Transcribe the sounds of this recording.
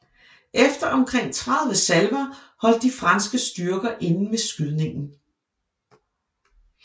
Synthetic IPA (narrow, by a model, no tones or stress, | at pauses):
ʔefd̥ɐʔɒ̽mkʰʁeŋ̰t͡sʰʁɑðˠʋəsælʋɐhɒ̽l̰d̥ːifʁɑ̈nsɡ̥əsd̥yɐɡ̥ɐʔe̝nn̩mesɡ̥yðˠne̝ŋn̩